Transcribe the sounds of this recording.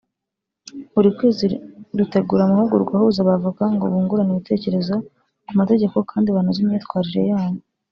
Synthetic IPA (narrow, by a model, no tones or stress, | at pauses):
uɾikweːziɾute̞ɡuɾamuhuɡuɾɡwahuzaβavuɡaŋɡo̰βuːŋɡuɾaniβite̞ːce̞ɾe̞zo̞ | kumate̞ɟe̞ko̞kaːndiβaːnuzimɲiːtkwaːɾiɾe̞̰jaːɲi